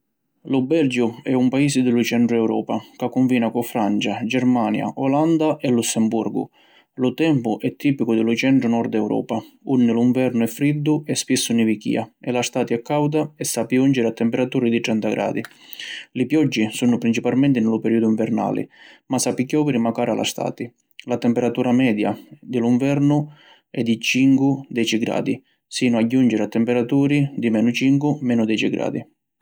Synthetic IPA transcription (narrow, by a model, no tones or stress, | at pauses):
lʊbɛld͡ʒʊɛumpaiːsɪd̪ɪlʊt͡ʃɛɳʈ̪ɾʊɛwɾɔ̰ːpakakːuɱviːnakʊfɾant͡ʃad͡ʒɛɾmaːnja̰ʔɔland̪aʔɛlːusːɛmburɡʊ̰ | lʊt̪ɛmpʊʔɛt̪ʰːiːpikʊd̪ɪlʊt͡ʃɛɳʈ̪ɾʊnɔɾd̪ɛwɾʔɔ̰ːpaunːɪlʊiɱvɛrnʊɛfːɾid̪ːʊɛspisːʊnɪvikḭːaɛlast̪aːt̪jɛkːawd̪aɛsːapiund͡ʒɪɾat̪ːɛmpɛɾat̪uːɾɪd̪it̪ɾɛnt̪aɡɾʔa̰ːd̪i | lɪpjɔd͡ʒːisuːnʊpɾint͡ʃipalmɛnt̪ɪnɪlʊpɛɾiːd̪ʊuiɱvɛɾna̰ːlɪ̰masapːikjɔːvɛɾimakaːɾa̰lʔa̰st̪a̰ːt̪i | lat̪ɛmpɛɾat̪uːɾamɛːd̪ja̰d̪ɪluɱvɛrnʊ | ɛd̪ːit͡ʃiŋkʊd̪ɛːt͡ʃiɡɾa̰ːd̪i | siːnʊaɟːund͡ʒɪɾat̪ːɛmpɛɾat̪uːɾid̪imɛːnʊt͡ʃiŋkwʊmɛːnʊd̪ɛːt͡ʃiɡɾa̰ːd̪i